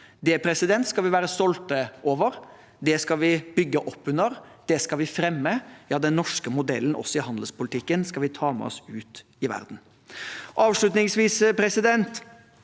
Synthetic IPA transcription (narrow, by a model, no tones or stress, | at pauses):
d̪ɛpʰɾɛsɪd̪ɛnt̪skɑlʋɪʋæːɾəst̪ɔlt̪əʔoːʋəɾ | d̪ɛskɑʋɪbʏɡːəʔɔpːʉnːəɾd̪̥ɛskɑlʋɪfɾɛmːəjɑːd̪ɛnːɔʂkəmʊd̪ɛ̰lːn̩ʔɔ̰sːɔɪhɑnd̪əl̩spʊlɪt̪ʰɪkːənskɑlʋɪt̪ʰɑːmɛ̰ɔ̰sʉːt̪ | ɪʋæ̰ɾd̪n̩ | ʔɑːʋʂɭʉt̪nɪŋsʋiːsəpʰɾɛsɪd̪ɛnt̪